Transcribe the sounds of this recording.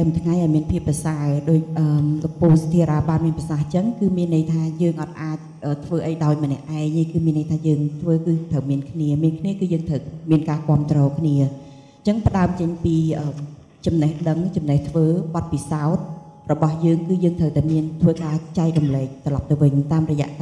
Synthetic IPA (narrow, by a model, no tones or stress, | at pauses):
t̪amt̪ʰŋajʔaɔjmiənpʰiəpːrɑsaəɗoːc̚ʔəːmlopuːlsḁt̪ʰiəɾaːɓaːnmiənprɑsaht͡ɕəŋkɨːmiənːəjt̪ʰaːjəːŋʔɑt̪̚ʔaːc̚ʔəːt̪ʰʋəːʔəjɗaɔjmənɛ̆əʔaɛŋhajkɨːmiənːəjt̪ʰaːjəːŋt̪ʰʋəːkɨːt̪ʰəwmiənkʰniəmiənkʰniəkɨːjəːŋt̪ʰəwmiənkaːkŏəmt̪rɔːkʰniə | t͡ɕəŋpə̆ɗaəmt͡ɕəɲpiːʔəːm | t͡ɕɑmnəhɗəŋt͡ɕɑmnəht̪ʰʋəːɓɑt̪̚pisaɔt̪̚rɔɓɑhjəːŋkɨːjəːŋt̪ʰəwt̪aɛmiənt̪ʰʋəːkaːt͡ɕaɛk̚rumlɛːk̚t̪rɔlɑp̚t̪ɨwʋɨɲt̪aːmrɔjɛ̆əʔ